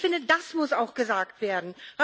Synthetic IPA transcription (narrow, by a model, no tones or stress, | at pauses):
fɪndədasmʊsaʊxɡ̥əzaːk̚tv̥eːɐdn̩